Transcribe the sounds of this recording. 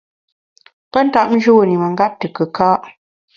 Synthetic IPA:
pə˦n̩˦ta˦ʔ̚mn̩˦d͡ʒu˦wo˦˨ni˨mə˨ŋ˦ɡa˦p̚tə˨kə˨kaː˦ʔ

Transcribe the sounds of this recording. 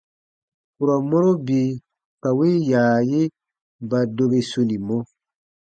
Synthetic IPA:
ku˨ɾɔ˨mɔ˦ɾo˦bi˨ | ka˨wi˦jaː˨je˦ | ba˨do˨be˨su˨ni˨mɔ˦

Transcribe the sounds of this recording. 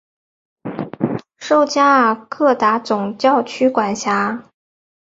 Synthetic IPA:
ʂo˥˧ʊt͡ɕja˥˩kʰɤ˥˩t̪a˧˥t͡sʊ˨˩ŋt͡ɕjɑ˥˩ʊt͡ɕʰy˥kwa˨˩nɕja˧˥

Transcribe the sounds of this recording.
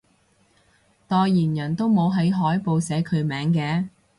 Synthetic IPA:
t̪ɔː˧jjiː˨˩njɐ˨˩nt̪o˥wmo˨˧wɦɐ˨˥jɦɔː˨˥jpo˨˧wsɛː˨˥kʰɵ˨˧ɥmɛː˨˥ŋkɛː˨˧

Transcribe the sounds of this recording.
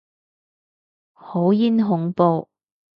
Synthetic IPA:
ho˨˥wji˥nɦʊ˨˧ŋpo˧w

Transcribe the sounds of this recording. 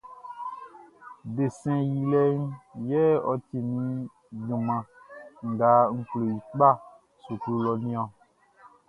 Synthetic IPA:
be˨sɛ̃˨ji˨lɛ˦ŋ̩˦jɛ˦ɔ˨ti˨nĩ˦ | ɡũ˨mã˨ | ŋ̩˨ɡa˨˦ŋ̩˨klo˨ji˨k͡pk͡pa˦ | su˨klu˦lɔ˨nĩ˦ɔ̃˦

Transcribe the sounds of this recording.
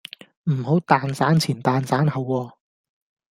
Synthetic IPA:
m̩˨˩ho˨˥wt̪aː˨nsaː˨˥nt͡sʰiː˨˩nt̪aː˨nsaː˨˥nhɐ˨˧wɔː˧

